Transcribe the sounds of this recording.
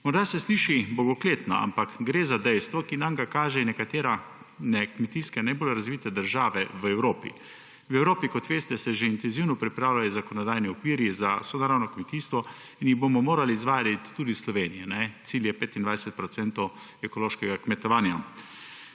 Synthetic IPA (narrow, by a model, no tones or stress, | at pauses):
mɔɾd̪asɛsliːʃibɔɡɔkleːt̪nɔ̰a̰mpakɡɾeːzad̪ɛjst̪ʋɔkinamɡakaːʒɛnɛkat̪eːɾa | nɛkmɛt̪iːskanajbolɾazʋiːt̪ɛd̪əɾʒaːʋɛʋɛwɾoːpḭ | wɛwɾoːpikɔt̪ʋeːst̪ɛsɛʒeint̪ɛnziwnɔpɾipɾaːwlʲajɔzakɔnɔd̪aːjniɔkʋiːɾizasɔd̪aɾawnɔkmɛt̪iːst̪ʋɔ | injiɣbomɔmoːɾalizʋaːd̪it̪ːuːd̪islɔʋeːnijɛnɛt̪siːljɛpeːt̪ind̪ʋajsɛt̪̚pɾɔt̪sɛnt̪ɔw | ɛkɔloːʃkɛɡakmɛt̪ɔʋaːnja